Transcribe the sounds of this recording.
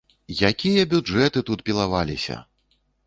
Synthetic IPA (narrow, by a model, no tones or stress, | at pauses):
jakʲijɐbʲud͡ʐɛt̪ɨt̪ut̪̚pʲilˠavalʲisʲɐ̰